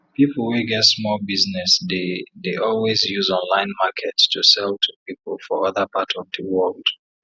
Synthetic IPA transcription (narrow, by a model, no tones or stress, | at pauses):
pipl̩ˠwiɡɛtsmɔlˠbiznɛsdedeʔɔlˠwizjuzɔ̃nlãɪ̃nmakʰɛtstʰusɛlˠtʰupipl̩ˠfɔʌðəpʰatʰɔvðəwɜlˠd̥